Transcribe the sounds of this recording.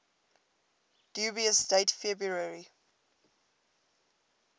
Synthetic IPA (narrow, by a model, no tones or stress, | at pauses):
d̥juːbiəsdeɪtfɛbɹuɹəɹi